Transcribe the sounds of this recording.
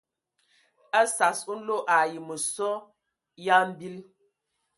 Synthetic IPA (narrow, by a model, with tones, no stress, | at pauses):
a˦sa˨su˦n̩˦lo˦ʔa˨ji˨mə˨sɔ˦ | ja˦m̩˦bi˦l